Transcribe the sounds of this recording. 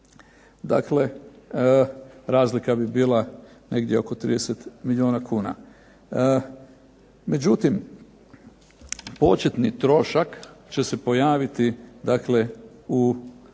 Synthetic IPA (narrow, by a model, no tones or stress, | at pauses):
d̪a̰kle̞ | ɾaːzlikabibiːlˠane̞ɡd̪ʲjeo̞ko̞t̪ɾḭd̪eset̪milioːnakuːna̰ | me̞d͡ʑut̪im | po̞t͡ʃe̞t̪nit̪ɾo̞ʃakt͡ɕe̞se̞po̞jaːʋit̪id̪akle̞u